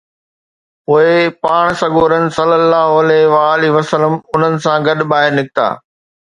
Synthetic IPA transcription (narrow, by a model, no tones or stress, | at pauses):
ʊɦepaːɽ̃sɐɡoːɾənɪ̆sɐlːəlːaːɦoɐlɛɦʋaːliʋɐsələmʊn̤ənɪ̆sãɡɐɗɓaːɦɪɾnɪkɪt̪a̰ː